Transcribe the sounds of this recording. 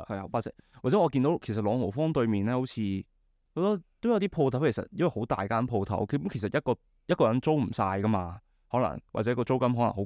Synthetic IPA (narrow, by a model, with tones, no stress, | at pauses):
hɐ˨jwaː˨t͡sɛ˨˥waː˨˩t͡sɛː˨˥ɔː˨˧kiː˧nt̪wkʰe˨˩js̬ɐ˨t̚lɔː˨˧ŋo˨˩fɔː˥ŋt̪ɵ˧ɥmiː˨nɛː˥ho˧˥wt͡sʰiː˧ | ho˧˥t̪ɔ˥t̪wjɐ˧wt̪iː˥pʰo˧wt̪ʰɐ˨˥wkʰe˨˩sɐ̰˨t̚jɐ˥wɐ˨jho˨˥wt̪a̰ː˨jkaː˥npʰo˧wt̪ʰɐ̰˨˥wkmkʰe˨˩sɐ˨t̚jɐ˥t̚kɔː˧ | jɐ˥t̚kɔː˧jɐ˨˥nt͡so˥wm̩˨˩saː˧jkɐ˥maː˧ | hɔː˨˥lɐ̰˨˩ŋwa̰˨t͡sɛː˨˧˥kɔː˧t͡so˥wkɐ˥mɦɔ˨˥lɐ̰˨˩ŋɦo˨˦˥